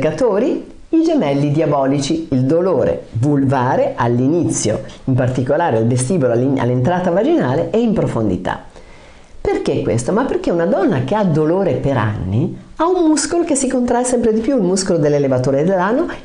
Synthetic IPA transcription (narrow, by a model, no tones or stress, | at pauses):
kat̪oːɾi | id͡ʒemɛlːid̪jabɔːlit͡ʃiild̪oloːɾḛvulvaːɾeʔalːinit̪sːjo̰impart̪ikolaːɾealvest̪iːboloala̰lːent̪ɾaːt̪avad͡ʒinaːleʔɛimpɾofond̪ḭt̪a̰ | perkekːwḛst̪omapːerkeunad̪ɔnːakead̪ːoloːɾepeɾa̰nːi | aumːuskolokesːikont̪ɾajsɛmpɾed̪ipjuilmuskolod̪elːelevat̪oːɾed̪elːanːo